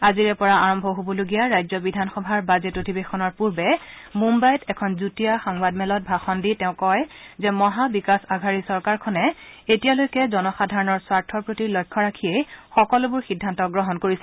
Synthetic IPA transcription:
aziɹɛpɔɹaaɹɔmbʱɔɦobɔloɡijaɹajzɔbidʱanxɔbʱaɹbazetotibexʰɔnɔɹpuɹbɛmumbajtɛkʰɔnzutijaxaŋbadmɛlɔt̚bʱaxɔnditɛʊ̃kɔjzɛmɔɦabikasaɡʱaɹisɔɹkaɹkʰɔnɛetijalojkɛzɔnɔxadʱaɹɔnɔɹswaɹtʰɔɹpɹotilɔjkʰːɔɹakʰiejxɔkɔlʊbʊɹxidʱːantɔɡɹɔɦɔnkoɹisɛ

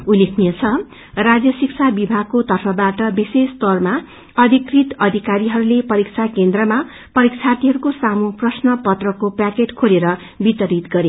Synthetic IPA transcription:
ulːekʰnijʌt͡sʰʌ | rad͡zjʌsikt͡sʰabibʱaɡ̚kot̪ʌrpʰʌbaʈʌbisest̪ʌrma | ʌd̪ʱikrit̪ʌd̪ʱikaɾiɦʌɾulepʌɾikt͡sʰakend̪rʌma | pʌɾik̚t͡sʰat̪iɦʌɾukosamuprʌsnʌpʌt̪rʌkopakeʈkʰoleɾʌ | bit̪ʌɾit̪ɡʌɾe

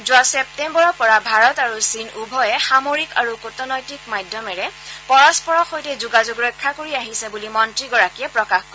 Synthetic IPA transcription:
zʊasɛp̚tembɔɹɔpɔɹabʱaɹɔtaɹusinubʱɔjɛxamoɹikaɹukotɔnɔjtikmajdʱjɔmɛɹɛpɔɹɔspɔɹɔxojtɛzuɡazuɡɹɔjkʰːakoɹiaɦisɛbulimɔntɹiɡɔɹakijɛpɹɔkaxko

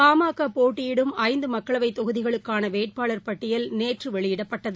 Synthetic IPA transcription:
paːmaːkapoːʈːɪjɪɽɯmɐɪnd̪ɯmɐkːɐɭɐʋɐɪt̪ːɔɣɯðɪɣɐɭɯkːaːnɐʋeːʈ̚paːɭɐɾpɐʈːɪjɐlneːʈrɯʋɛɭɪjɪɽɐpːɐʈːɐðɯ

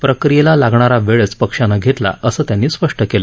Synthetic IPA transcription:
pɾəkɾijelalaɡɳaɾaʋeɭət͡spəkʂanaɡʱet̪la̰ʔəsəːt̪janːiːspəʂʈəkelə

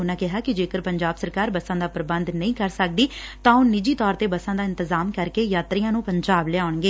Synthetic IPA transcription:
ʊnãːkɪɦaːkɪd͡ʒeːkəɾpəɲd͡ʒaːbsəɾkaːɾbəsãːd̪aːpɾbə̃nd̪nəĩːkəɾsək̚d̪iːt̪ãːʊ̃nɪd͡ʒiːt̪ɔːɾt̪eːbəsãːd̪aːɪ̃nt̪ɪzaːmkəɾkeːjaːt̪ɾijãːnũːpəɲd͡ʒaːblɛːaːʊɳɡeː

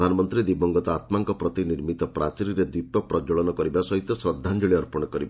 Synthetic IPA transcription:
d̪ʱanɔmɔnt̪ɾid̪ibɔŋɡɔt̪ɔat̪maŋkɔpɾɔt̪iniɾmit̪ɔpɾat͡ʃiɾiɾed̪ipɔpɾɔd͡ʒɔɭɔnɔkɔɾibasɔɦit̪ɔsɾɔd̪ʱːand͡ʒɔɭiɔɾpɔɽ̃ɔkɔɾiba

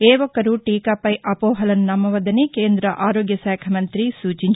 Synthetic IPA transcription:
eːʋɔkɐɾuʈiːkɐpɐjʔɐpɔːɦɐlɐnnɐmːɐʋɐd̪ɐnekeːnd̪ɾɐʔaːɾoːɡjɐsaːkʰɐmɐnt̪ɾisuːt͡ʃiɲ

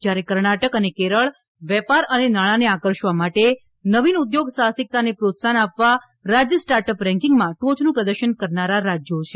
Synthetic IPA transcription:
d͡ʒjaɾekəɾɳaʈəkənekeɾəɭ | ʋɛpaɾənenaɭ̃aneakəɾʃʋamaʈe | nəʋinud̪joɡsasɪk̚t̪anepɾot̪sanapʋa | ɾad͡ʒjəsʈaɾʈəpɾɛ̃ŋkiŋɡmãʈot͡ʃnũpɾəd̪əɾʃənkəɾnaɾaɾad͡ʒjot͡ʃʰe

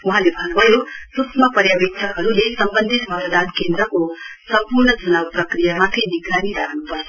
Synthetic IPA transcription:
uɦãlebʱʌnbʱʌjosutmʌpəɾjaʋek̚t̪ʰakɦʌɾulesʌmbənd̪ʱit̪mʱʌt̪əd̪ankend̪ɾəkosʌmpuɾɳʌd͡zunawpɾəkɾijamãt̪ʰiniɡɾaniɾaɦnupʌɾ

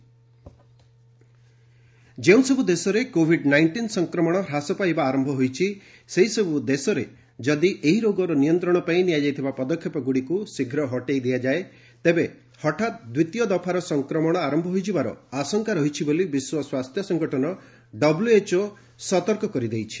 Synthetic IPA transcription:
d͡ʒew̃sɔbud̪esɔɾekobʱiɖnajɳʈinsɔŋkɾɔmɔɽ̃ɔɾasɔpajbaːɾɔmbʱɔɦojt͡ʃʰi | seɦisɔbud̪esɔɾe | d͡ʒɔd̪iʔeɦiɾoɡɔɾɔnijɔnt̪ɾɔɽ̃ɔpaĩnijad͡ʒajt̪ʰibapɔd̪ɔkʰːjɔpɔɡuɽikusiɡʱɾɔɦɔʈejd̪ijad͡ʒae | t̪ebe | hɔʈʰat̪̚d̪wit̪jɔd̪ɔpʰaɾɔsɔŋkɾɔmɔɽ̃ɔaɾɔmbʱɔɦojd͡ʒʰibaɾɔ̰asɔŋkaɾɔɦit͡ʃʰibolibiswɔswast̪ʰjɔsɔŋɡɔʈʰɔnɔ | ɖɔbluet͡ʃo | sɔt̪ɔɾkɔkɔɾid̪ejt͡ʃʰi̥

